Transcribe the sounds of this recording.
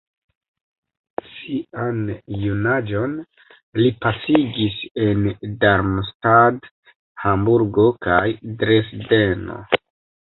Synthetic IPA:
sianjunad͡ʒo̞n | lipasiɡise̞ndaɾmstad | hambuɾɡo̞kajdɾesdeno̞̰

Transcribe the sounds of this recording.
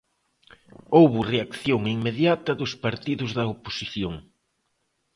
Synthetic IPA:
owβʊreakθjoŋiŋmeðjat̪ɐðʊspaɾt̪iðʊzðɐopo̥siθjoŋ

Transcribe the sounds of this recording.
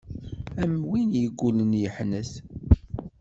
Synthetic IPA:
æmwinjəɡʷːulənjəħnəθ

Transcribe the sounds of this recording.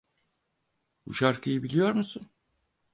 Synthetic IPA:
bṵʃaɾkʰɯjɯbilʲijo̞ɾmusun

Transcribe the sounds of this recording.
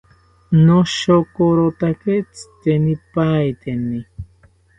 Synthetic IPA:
noʃokoɾot̪aket͡st̪enipajt̪eni

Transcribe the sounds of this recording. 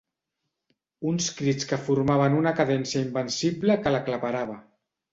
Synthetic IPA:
unskɾit͡skəfuɾmaβ̞ənunəkaðɛnsjaimbənsibləkəlaklapaɾaβ̞ə

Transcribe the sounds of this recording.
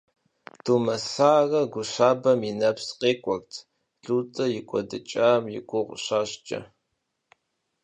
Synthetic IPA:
d̥uːmɐsaːɣɐɡʷʊʃaːbɐminɐpsqʼeːkʷʼɔktʰ | ɬuːtʼɐjɪkʷʼɔdɨt͡ʃʼaːmjɪkʷʰʼʊʁʷɕaːɕt͡ʃʼɐ̰

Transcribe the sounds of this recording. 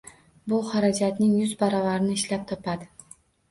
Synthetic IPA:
bʊhaɾad͡ʒat̪nɪŋjʊzbaɾɒvaɾɪnɪːʃlap̚t̪ʰɒpʰad̪ɪ

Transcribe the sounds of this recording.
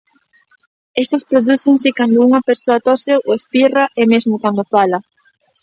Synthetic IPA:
est̪ɐspɾoðuθɪŋsɪkand̪ʊuŋɐpeɾsoɐt̪ɔseʔoespiraʔemezmʊkand̪ofalɐ

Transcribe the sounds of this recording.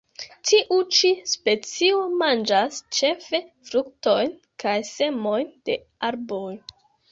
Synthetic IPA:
tʰiʔut͡ʃispe̞t͡siomand͡ʒast͡ʃe̞fe̞fɾukto̞jn | kajse̞mo̞jnd̥e̞̰ | aɾboj

